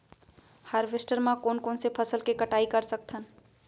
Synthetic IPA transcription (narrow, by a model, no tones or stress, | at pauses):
haɾbʱesʈəɾmakonkonsepʰəsəlkekəʈaikəɾsək̚t̪ʰən